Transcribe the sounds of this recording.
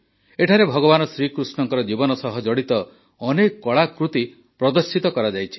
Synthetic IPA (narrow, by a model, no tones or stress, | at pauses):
eʈʰaɾebʱɔɡɔbanɔsɾikɾusɳɔŋkɔɾɔd͡ʒibɔnɔsɔɦɔd͡ʒɔɽit̪ɔː | nekːɔɭakɾut̪i | pɾɔd̪ɔɾsit̪ɔkɔɾad͡ʒajt͡ʃʰi̥